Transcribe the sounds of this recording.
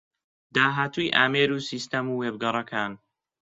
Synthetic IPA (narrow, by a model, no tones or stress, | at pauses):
d̪aːɦaːt̪ʰujʔaːmeːɾuːsist̪ɐmuːweːb̚ɡɐɾˤɐkʰaːn